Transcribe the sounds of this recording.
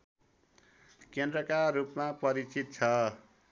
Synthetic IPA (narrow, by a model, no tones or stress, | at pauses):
kend̪rʌkarɾupmapʌɾit͡sit̪̚t͡sʰʌ